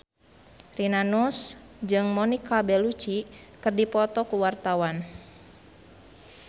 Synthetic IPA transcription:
rinanusd͡ʒɨŋmɔnikabɛlut͡ʃikɨrdipɔt̪ɔkuwart̪awan

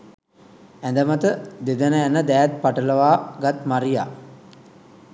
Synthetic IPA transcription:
ænd̪əmət̪əd̪ed̪ənəænəd̪æːæt̪̚paʈələʋaːɡat̪maɾija̰

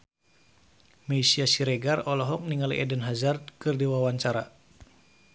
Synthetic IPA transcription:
meisiasiɾeɡarɔlɔɦɔk̚niŋalḭʔɛdənɦazart̪̚kɨrdiwawaɲt͡ʃaɾa

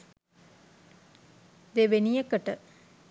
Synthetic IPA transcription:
d̪eʋenijəkəʈə̰

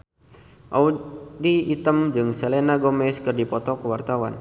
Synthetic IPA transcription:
ʔaudiːt̪əmd͡ʒɨŋsɛlenaɡɔmɛskɨrdipɔt̪ɔkəwart̪awa̰n

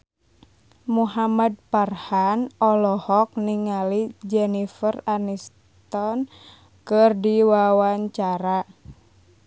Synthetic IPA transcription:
muɦamad̚parhanɔlɔhɔk̚niŋalid͡ʒɛnifəranis | t̪ɔn | kɨrdiwawaɲt͡ʃaɾa

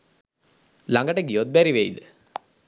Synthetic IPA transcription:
laŋɡɐʈəɡijot̪̚bæɾiʋejd̪ɨ

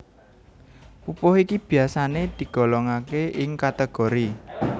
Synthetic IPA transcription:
pupʊhikib̥i̤asaned̪̥i̤ɡ̥ɔ̤lɔŋakeʔɪŋkat̪əɡ̥o̤ɾi

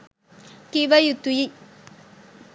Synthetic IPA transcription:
kɪʋɐjut̪ːuji

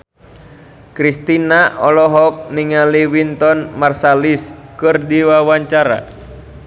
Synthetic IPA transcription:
kɾist̪inaʔɔlɔɦɔk̚niŋaliwint̪ɔnmarsaliskɨrdiwawaɲt͡ʃaɾa̰

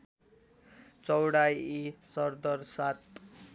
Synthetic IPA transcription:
t͡sʌwɽajisʌrd̪ʌrsat̪

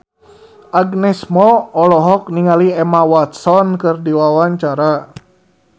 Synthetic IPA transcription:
ʔaɡnɛsmɔɔlɔɦɔk̚niŋaliɛmawat̪̚sɔnkɨrdiwawaɲt͡ʃaɾa

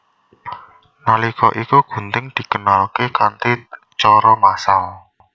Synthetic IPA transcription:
nalikɔʔikuɡ̥ṳnt̪ɪŋd̪̥i̤kənalkekant̪i | t͡ʃɔɾɔmasal

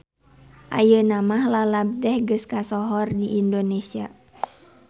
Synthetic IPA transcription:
ʔa̰jənamahlalab̚dɛhɡəskasɔɦɔrdiʔindonesia

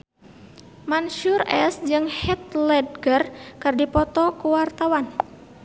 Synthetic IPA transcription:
manʃurɛsd͡ʒɨŋhɛt̪lɛd̚ɡərkərdipɔt̪ɔkuwart̪awan

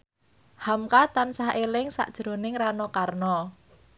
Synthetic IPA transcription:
hamkat̪ansaɦʔelɪŋsa̰ʔd̥ʒ̥ɾo̤nɪŋranɔkarnɔ

